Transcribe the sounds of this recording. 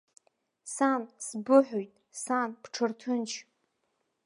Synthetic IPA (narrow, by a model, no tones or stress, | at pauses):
sansbʊħʷᶣojtʼ | sanpʈ͡ʂʰɨrtʰɨnt͡ʃʰ